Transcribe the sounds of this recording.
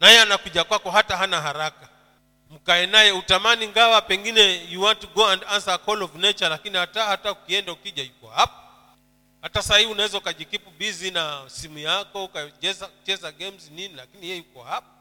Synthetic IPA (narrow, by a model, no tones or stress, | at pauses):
najɛanakuʄakwakɔɦataɦanaɦaɾaka | m̩kaɛnajɛutamaniŋɡawapɛŋɡinɛjuwantiɡɔandansakɔlɔvnɛt͡ʃalakinihatahataukiɛndaukiʄajukɔhapḁ | hatasahiiunawɛzaukaʄikipuɓizinasimujakɔukaɛzat͡ʃɛzaɡɛmzininilakinijɛjukɔhap̚ḁ